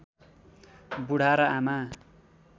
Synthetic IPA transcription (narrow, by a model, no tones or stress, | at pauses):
buɽ̤aɾʌama